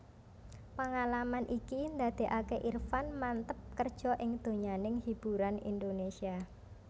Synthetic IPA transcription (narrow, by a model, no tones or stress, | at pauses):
pəŋalamanʔikind̪ad̪̥e̤ʔakeʔirfanmant̪əp̚kərd̥ʒ̥ɔ̤ʔɪŋd̪̥o̤ɲanɪŋhib̥uɾanḭnd̪onesia